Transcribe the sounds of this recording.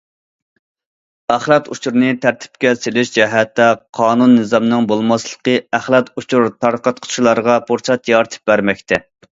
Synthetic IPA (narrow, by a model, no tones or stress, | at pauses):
æχlˠɛt̪ut͡ʃʰuɾnɨt̪ʰæɾt̪ʰɪ̥pkʲɛselɪʃd͡ʒɛɦɛt̪ːɛqʰɑːnunːɨzɑmnɨŋbolˠmɑslˠə̥qəæχlˠɛt̪ut͡ʃʰuɾt̪ʰɑɾqɑt̪̚qʰʊ̥t͡ʃʰulˠɑɾəʁɑpʰoɾt͡ʃʰɑt̪jɑɾt̪ʰɨ̥p̚bæɾmɛkʲt̪ʰɛ